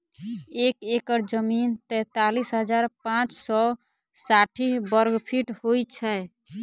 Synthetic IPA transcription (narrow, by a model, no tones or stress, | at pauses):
ekekəɾd͡ʒəmint̪ɛ̃t̪alisɦəd͡ʒaɾpãt͡ʃsɔ | saʈʰibəɾɡpʰiʈhojt͡ʃʰɛ